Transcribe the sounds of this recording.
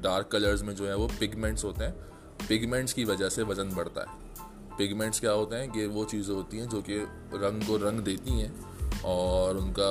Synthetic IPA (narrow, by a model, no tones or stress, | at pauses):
ɖaːɾkːɐləɾzmẽd͡ʒoːɦɛ̃ʋopɪɡmɛ̃ɳʈsɦoːt̪eɦɛ̃ː | pɪɡmɛ̃ɳʈskiʋɐd͡ʒəɦseʋɐd͡ʒə̃nbɐɽt̪a̰ɦɛː | pɪɡmɛ̃ɳʈskjaːɦoːt̪eɦɛ̃jeʋot͡ʃiːzẽɦoːt̪iɦɛ̃d͡ʒoːke | ɾɐ̃ŋɡkoɾɐ̃ŋɡd̪eːt̪iɦɛ̃ː | ɔːɾʊnka